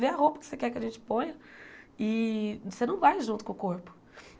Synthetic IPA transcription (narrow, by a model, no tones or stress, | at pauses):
veɐhopɐkɪ̥sekɛkɪɐʒẽnt͡ʃɪ̥põjɐɪsenɐ̃w̃vajʒũnt̪ʊkõʊkoɾpʊ̥